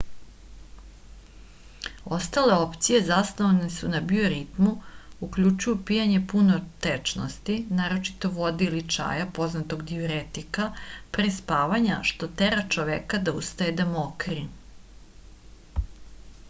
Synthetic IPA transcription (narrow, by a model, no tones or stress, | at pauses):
o̞st̪ale̞o̞pt̪sije̞zasnoʋanesunabioɾit̪muukʎut͡ʃujupijaɲe̞punot̪et͡ʃno̰st̪inaːɾo̞t͡ʃi̥t̪o̞ʋo̞d̪iilit͡ʂa̰ːjapo̞znat̪oɡd̪ioɾet̪ikapɾespaːʋaɲa̰ʃt̪o̞t̪eɾat͡ʃoʋekad̪aust̪ajed̪amokɾi